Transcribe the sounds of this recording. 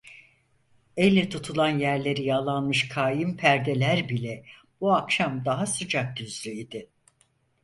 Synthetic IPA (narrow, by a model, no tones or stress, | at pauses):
elʲːɛt̪ʰut̪ʰulˠanjæɾlʲe̞ɾijalˠanmɯʃkʰaːjimpʰæɾd̪e̞lʲæɾbilʲɛ | b̥uakʃamd̪aɦasɯd͡ʒak̚d̪yzlʲyid̪ɪ